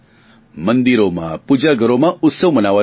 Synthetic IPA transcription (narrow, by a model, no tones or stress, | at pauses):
mənd̪iɾomã̰pud͡ʒaɡəɾomãʊt̪səwmənaʋa